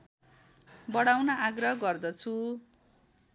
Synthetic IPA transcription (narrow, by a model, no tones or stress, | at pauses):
bʌɽawnaʔaɡrʌɦʌɡʌrd̪ʌt͡sʰu